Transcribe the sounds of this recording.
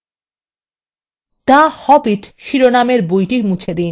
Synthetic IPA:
t̪ahɔbiʈʃiɾonameɾbojʈiɾmut͡ɕʰed̪in

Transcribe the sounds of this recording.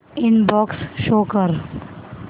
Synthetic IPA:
ɪnbɔːksʃoːkəɾ

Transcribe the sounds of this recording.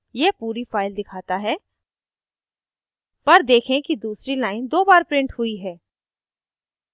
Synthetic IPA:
jepuːɾifaːɪld̪ɪkʰaːt̪aɦɛː | pɐɾd̪eːkʰẽkid̪uːsɾilaːɪnd̪oːbaːɾpɾɪ̃ɳʈhʊiɦɛː

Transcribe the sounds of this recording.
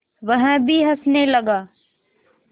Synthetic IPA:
ʋɐɦə̃bʱiɦɐsnelɐɡaː

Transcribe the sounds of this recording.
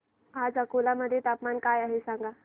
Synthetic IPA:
ad͡zəkolaməd̪ʱːjet̪apmankajaɦesãŋɡa

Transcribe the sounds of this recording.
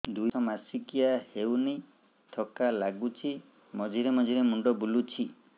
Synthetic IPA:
d̪ujɔmasikijahewni | t̪ʰɔkalaɡut͡ʃʰi | mɔd͡ʒʱiɾemɔd͡ʒʱiɾemuɳɖɔbulut͡ʃʰi

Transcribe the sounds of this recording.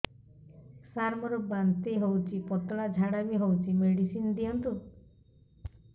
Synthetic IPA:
saɾmɔɾɔbant̪eɦowt͡ʃʰipɔt̪ɔɭad͡ʒʱaɽabiɦowt͡ʃʰimeɽisinɔd̪iɔnt̪u

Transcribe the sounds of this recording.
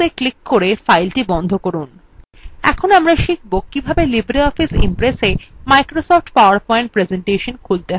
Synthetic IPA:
eklikːoɾefajlʈibɔnd̪ʱokoɾun | ɛ̰kʰonamɾaʃik̚bokːibʱabelibɾiɔfisḭmpɾesemajkɾosɔfʈpaʊaɾpɔẽɳʈ̚pɾezeɳʈeʃonkʰult̪eɦ

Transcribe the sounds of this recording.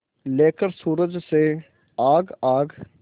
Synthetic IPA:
leːkəɾsuːɾəd͡ʒseː | aːɡaːɡ

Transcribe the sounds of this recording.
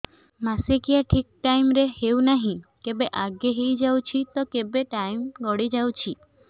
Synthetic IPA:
masekijaʈʰik̚ʈajmɾeheunaɦĩkebeʔaɡeɦejd͡ʒawt͡ʃʰit̪ɔkebeʈajmɡɔɽid͡ʒawt͡ʃʰi

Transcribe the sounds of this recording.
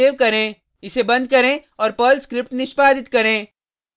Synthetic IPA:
eːʋkɐɾẽː | ɪsebɐ̃nd̪̚kɐɾẽːɔːɾpəːlskɾɪp̚ʈnɪʃpaːd̪ɪt̪kɐɾẽː

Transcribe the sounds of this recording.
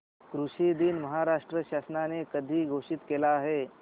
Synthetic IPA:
kɾuɕid̪iːnməɦaɾaʂʈɾəɕasnanekəd̪ʱiːɡʱoʂit̪kelaːɦe

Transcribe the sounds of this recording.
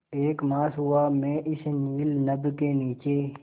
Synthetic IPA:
eːkmaːsɦʊaːmẽːʔɪsniːlnəbkeːniːt͡ʃeː

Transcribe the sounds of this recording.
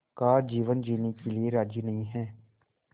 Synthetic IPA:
kaːd͡ʒiːʋənd͡ʒiːnekelieɾaːd͡ʒiːnəɦĩɦɛː

